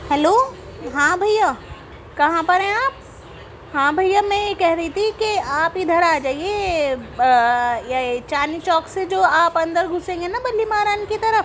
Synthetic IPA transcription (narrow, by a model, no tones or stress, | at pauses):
hɛloː | ɦãːbʱɐjːa | kɐɦãpɐɾɦɛ̃aːp̚ | hãːbʱɐjːamɛ̃jekɛɦɾɐɦit̪ʰikiaːpid̪ʱəɾaːd͡ʒaːie | jat͡ʃaːnit͡ʃɔːksed͡ʒoːaːpɐ̃nd̪əɾɡʱʊsẽːŋɡenabɐlːimaːɾaːnkit̪ɐɾəf